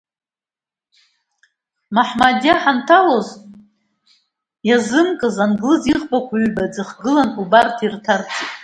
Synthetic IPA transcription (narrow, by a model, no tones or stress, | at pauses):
maħmadʲaħantʰaloz | jazɨmkʼɨzanɡlɨziʁbakʷʰaɥɥbad͡zɨχɡɨlanubartʰirtʰart͡sʰʼtʼ